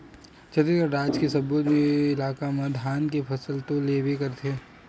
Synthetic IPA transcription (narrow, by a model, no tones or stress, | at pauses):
t͡ʃʰɐt̪ekɐɾɾaːd͡ʒkesɐbot̪mẽɪlaːkamɐd̪ʱaːnkepʰɐsəlt̪õleːbʱekɐɾt̪ʰeː